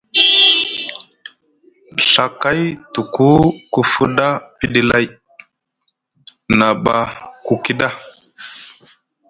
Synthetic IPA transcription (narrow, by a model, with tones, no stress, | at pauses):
ɬa˨ka˦jtu˨ku˦ku˦fu˦ɗa˦pi˦ɗi˦la˦j | na˨ɓa˨ku˦ki˦ɗa˦